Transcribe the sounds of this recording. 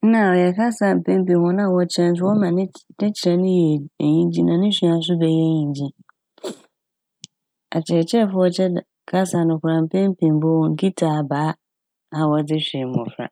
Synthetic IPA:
n̩˦nã˨ɔ˨jɛ˨kʰa˦sa˨m̩˨pʰẽ˦m˦pĩ˨hɔ̃˦nã˦˨wɔ˨˦t͡ɕʰɛ̃˦n˦tʰɪ˦wɔ˦mã˨n˦nɪ̃˦t͡ɕʰɪ˨ɾɛ˨nʊ̃˦jɛ˨e˨ɲĩ˦d͡ʑĩ˦nã˨nɪ̃˦ɕᶣi˨a˨s̬ʊ˦bɛ˨jɛ˦˨ɲĩ˨d͡ʑĩ˦ | a̰˨t͡ɕʰɛ˨t͡ɕʰɛ˦˨fʊ˦ɔ˦t͡ɕʰɛ˦˨ | kʰa˦sa˨nʊ̃˨kʰʊ˨ɾã˨m̩˨pʰẽ˦m˦pʰĩ˨mbo˦wŋ̩˦kʰi˦tʰaː˨baː˨˦ | a˨wɔ˨d͡zɪ˦ɕᶣe˨m˨ɔ̰̃˨fɾa̰˨

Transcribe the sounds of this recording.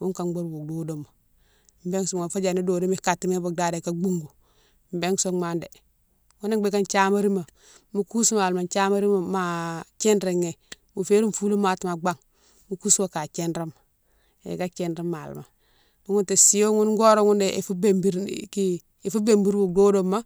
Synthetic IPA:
wu˦ŋka˨ŋɡ͡bo˦ɾwu˨do˦do˦ma˨ | m̩˨be˦ŋso˦ŋa˨fa˦d͡ʒa˨ni˦do˨do˦mi˦ka˨tːi˨me˦bo˨da˦de˨ka˦ɡ͡bu˦ŋɡu˨ | m̩˨be˦ŋso˦ŋma˨nde˨ | ŋu˦ne˦be˦ka˦nt͡ʃa˦ma˦ɾi˦ma˨ | mu˦ku˦su˦ma˨lma˨nt͡ʃa˦ma˦ɾi˦ma˨ma˨t͡ʃe˦nɾe˨ŋe˨ | mu˨fe˦ɾu˦m˦fu˦lo˦ma˨ti˨ma˨ɡ͡ba˦ŋ | mu˦ku˦sma˨ka˨t͡ʃe˦nɾe˦m | ḛ˨ɡa˦t͡ʃe˨nɾe˦ma˨l̰ma̰˨ | mu˦ŋu˦nte˨si˦jo˦ŋu˦nɡo˦ɾo˦ŋu˦nde˨ʔe˨fu˦be˨mbi˦ɾki˦ | e˨fu˦be˨mbi˦ɾwu˨k̚do˦do˦mːa˦

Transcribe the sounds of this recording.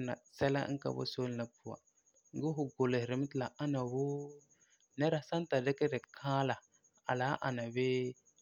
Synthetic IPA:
na̰˨sɛ˦la̰˦ŋ̩˦ka̰˨bo̰˦so˦lla˨pu˦a̰˨ | ŋ˦ɡʊ˦ɦʊ˨ɡo˨le˨hɾɪ˨m˦tla˨a˦na˨wʊ˦ | nɛ˦ɾa˨˦sa˦n˦ta˨dɪ˦kɛ˦dɛ˨kʰaː˦la˨ | a̰˨la˨˦ʔa˨na˨be˦

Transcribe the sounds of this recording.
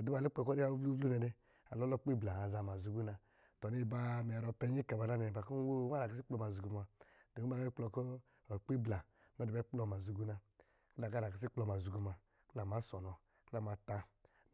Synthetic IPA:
a˨du˦ba˨le˦k͡pkɔ˦ɾi˦a˦u˦vu˦vlu˦nɛ˧de˧ | a˨lɔ˦lɔ˦k͡pi˦˨bla˨a˨za˧ma˨zu˧ɡu˦na˧ | tɔ˨ni˦˨ba˧mɛ˨ɾɔ˧pɛ˧˦ɲi˦ka˨ba˨na˦nɛ˨ba˨ku˦n˦wo˦˨˦a˦ɾa˨ki˦s̬i˦k͡plɔ˧ma˨zu˨ɡu˧˨ma˧do˨u˦a˦˨e˦k͡plɔ˧kɔ˦˨ | k͡pi˦bla˨ | na˦˨i˨bk͡plɔ˧m˨a˨zu˧ɡu˦na˧ | ki˦la˨ka˦ɾa˨ki˨˦s̬i˦k͡plɔ˧˨ma˨zu˨ɡu˧ma˧ | kla˨m˨a˨˦sɔ˨nɔ˨ | kla˨m˨a˧ta˧

